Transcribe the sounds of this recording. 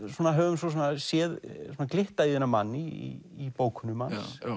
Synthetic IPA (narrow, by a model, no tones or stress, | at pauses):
suːnaɦœːvʏms̬ɔs̬ɔnasjɛðsɔnaklɪht̪aiðɛnːamanːiḭːpoːwkʰʏnʏmans